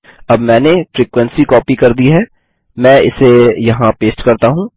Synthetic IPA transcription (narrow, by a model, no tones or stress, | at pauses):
ɐbmɛ̃ːnefɾiːkwɛ̃nsikɔːpikɐɾd̪iɦɛː | mɛ̃ːɪ̰sejɐɦãpeːsʈkɐɾt̪aɦũ